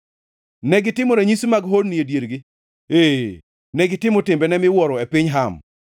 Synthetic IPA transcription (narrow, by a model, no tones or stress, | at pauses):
nɛɡɪtɪmoɾɛɲismaɡɦodniedjeɾɡɪ | e | nɛɡɪtɪmɔtɪmbɛnɛmɪwɔɾɔepɪɲɦam